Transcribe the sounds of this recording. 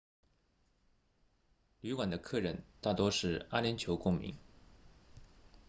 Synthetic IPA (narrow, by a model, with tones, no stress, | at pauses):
ly˧˥kwa˨˩nd̪ə˦kʰɤ˥˩ɻə˧˥nt̪a˥˩t̪wɔ˥ʂɻ̩˥˩a˥ljɛ˧˥nt͡ɕʰjo˧˥ʊkʊ˥ŋmḭ˧˥ŋ